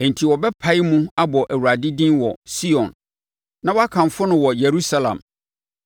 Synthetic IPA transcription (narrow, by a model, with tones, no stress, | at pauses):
ɛ̃˨n̩˨tʰi˨wɔ˨bɛ˦pʰa˨˦ɪ˦mũ˦a˦bɔ˨ʔæ˨wa˨dɪ˦dĩ˦nwɔ˨si˦ɔ̃˨nː | ã˦wɔ˦a˦kʰã˨m˨fʊ˦nʊ̃˦wɔ˨je˨ɾu˦sa˦lã̰˨m